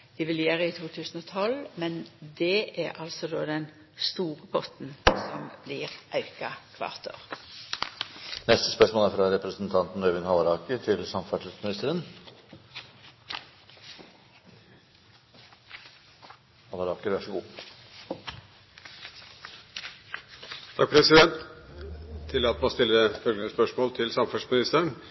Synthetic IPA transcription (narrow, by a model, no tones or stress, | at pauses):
d̪̥ɪʋɪljæːʁəɪt̪ʰuːt̪ʰʉːsn̩ɔːt̪ʰɔlmɛnd̪ɛʔæʁʔɑlsɔd̪oːd̪ɛn | st̪uːʁəpʰɔt̪n̩sɔmblɪʁʔɑʉkɑkʰʋɑ̰ːʁt̪ʰo̰ːʁ | nɛst̪ə̥spœʂmoːlæɾfɾɑɾɛpɾəsənt̪ʰɑnt̪n̩ɾœʋɪnhɑʋɑɾɑːkət̪ʰɪlsɑmfæʈ̪smɪnɪst̪əɾən | hɑʋɑɾɑːkəɾʋæʂəɡuː | t̪ʰɑk̚pʰɾɛsɪd̪ɛnt̪ʰː | ɪlːɑt̪moːst̪ɪlːəəfœlɡənəspœʂmoːlt̪ʰɪlsɑmfæsmɪnɪst̪əɾən